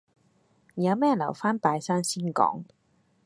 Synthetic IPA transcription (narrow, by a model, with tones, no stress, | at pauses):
jɐ˨˧wmɛː˥lɐ˨˩wfaː˥npaː˨˧jsaː˥ŋsiː˥nkɔ̰ː˨˥ŋ